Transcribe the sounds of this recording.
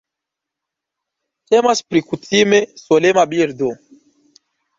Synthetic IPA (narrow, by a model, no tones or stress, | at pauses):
t̪emaspɾikutimesolemabiɾd̪o